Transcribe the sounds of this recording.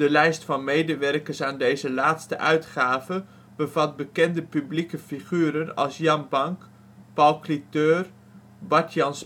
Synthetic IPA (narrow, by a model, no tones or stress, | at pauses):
d̥əlɛjstfɑnmejdəʋɛrkərsaːndejzəlaːtstə̰ʔœɥtχaːvə | b̥əvɑt̚bəkɛndəpyblikəfiχyːɾənɑ̰lˠsjɑnbɑŋk | pɑlˠklitøːr | bɑtʰjɑns